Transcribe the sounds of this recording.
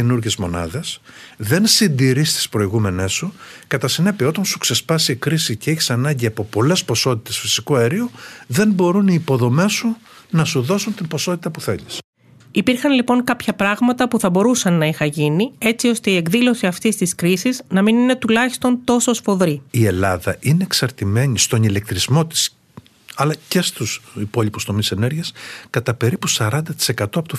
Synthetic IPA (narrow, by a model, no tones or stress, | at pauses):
enuɾʝe̞zmo̞̰nɐ̰ðe̞sðe̞nsind̪iɾist̪i̥spɾo̞iɣume̞ne̞sːukɐt̪ɐsine̞piɐo̞t̪ɐnsukse̞spɐsiːkɾisiceeçi̥sɐnɐɲɟiɐpo̞po̞le̞spo̞so̞t̪it̪e̞sfisikuɐeɾiuðe̞nbo̞ɾuniːpo̞ðo̞me̞su | nɐsuðo̞sunt̪impo̞so̞t̪i̥t̪ɐpuθe̞̰ʎis | ipiɾxɐnlipo̞ŋkɐpçɐpɾɐɣmɐt̪ɐpuθɐbo̞ɾusɐnːɐixɐnʝinie̞t͡sio̞st̪e̞ie̞kðilo̞siɐft̪ist̪iskɾisiznɐminine̞t̪ulɐçi̥st̪o̞nt̪o̞so̞sfo̞ðɾiie̞lɐðɐʔineːksɐɾt̪ime̞ɲist̪o̞nilek̚t̪ɾizmo̞t̪i̥s | ɐlɐce̞st̪usipo̞lipust̪o̞mise̞ne̞ɾʝiɐskɐt̪ɐpe̞ɾipusɐɾɐnd̪ɐt̪i̥se̞kɐt̪o̞ɐpot̪o